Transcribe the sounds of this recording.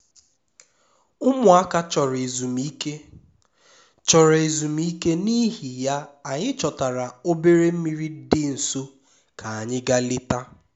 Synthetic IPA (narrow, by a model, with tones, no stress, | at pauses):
ʊ˦mʊ˨a˦ka˦t͡ʃɔ˨ɾe˨zu˨mi˦ke˦ | t͡ʃɔ˨ɾe˨zu˨m˦i˦ke˦ni˦ɦi˨ja˦a˨ɲɪ˦t͡ʃɔ˨ta˨ɾa˨o˦be˦ɾe˦m̩˦mi˦ɾi˦dɪ˦n̩˨so˦ | kʰa˨a˨ɲɪ˦ɡa˦lɪ˦ta˦